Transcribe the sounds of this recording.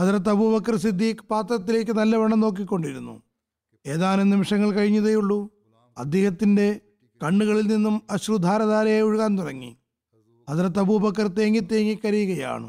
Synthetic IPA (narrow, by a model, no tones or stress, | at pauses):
hɐðɾɐt̪̬ːɐbubɐkːɐrsid̪ʱːiːkɨ̥paːt̪rɐt̪ːile̞ːk̬ʲːɨnɐlːɐʋɐɳɐmno̞ːk̬ːikʲːo̞ɳɖiɾunːṵ | e̞ːðaːnunimiʂɐŋːɐɭkɐɻiɲːɐðɐjuɭːu | ɐd̪jeːhɐt̪ːinde̞ | kɐɳːuɣɐɭilninːumɐɕrud̪ʱːaːɾɐðaːɾɐjeoɻuɣaːnt̪urɐŋːḭ | hɐðiɾɐt̪ːɐbubɐkːɐrt̪e̞ːŋɡit̪ːeːŋːikːɐɾijuɣɐja̰ːɳɨ̰